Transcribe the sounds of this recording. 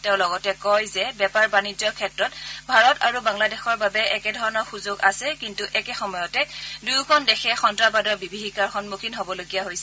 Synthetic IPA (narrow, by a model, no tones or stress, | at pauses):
teʊ̃lɔɡɔtɛkɔjzɛbɛpaɹbanid͡ʒɔkʰɛtɹɔtbʱaɹɔta̰ɹubaŋladɛxɔɹbabɛʔɛkɛdʱɔɹɔnɔɹxuzoɡasɛkintuʔɛkɛxɔmɔjɔtɛdujkʰɔndɛxʰɛxɔntɹapadɔɹbibʱixikaɹxɔnmukʰinɦobɔloɡijaɦojsɛ